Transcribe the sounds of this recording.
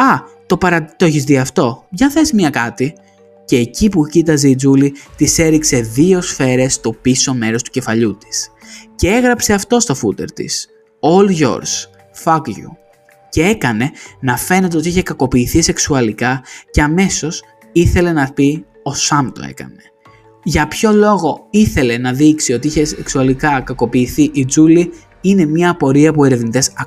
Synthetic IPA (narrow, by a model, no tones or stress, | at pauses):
ɐt̪o̞pɐɾɐt̪o̞eçizðiɐft̪o̞ʝɐθe̞simɲɐkɐt̪i | ce̞ːcipucit̪ɐzid͡zulit̪ise̞ɾikse̞ðio̞sfe̞ɾe̞st̪o̞piso̞me̞ɾo̞st̪u̥ce̞fɐʎut̪i̥sce̞e̞ɣɾɐpse̞ɐft̪o̞st̪o̞fut̪e̞ɾt̪ḭs | o̞lʝo̞̰ɾs | fɐɡʝṵ | ce̞e̞kɐne̞nɐfe̞ne̞t̪̬eot̪iiçe̞kɐko̞piːθise̞ksuɐlikɐce̞ɐme̞so̞s | iθe̞le̞nɐpi | o̞sɐmt̪o̞̰e̞̰kɐ̰ne̞̥ | ʝɐpço̞lo̞ɣo̞iθe̞le̞nɐðiksio̞t̪iiçe̞seksuɐlikɐkɐko̞piːθiʔid͡zuli | ine̞mɲɐːpo̞ɾiɐpue̞ɾe̞vnit̪e̞sɐ